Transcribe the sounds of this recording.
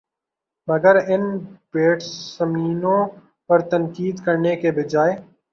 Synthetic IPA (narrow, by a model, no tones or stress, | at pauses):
məɡəɾɪnpeːʈsːəmiːnõː | pɐɾt̪ənkiːd̪kəɾnekebɪd͡ʒaːeː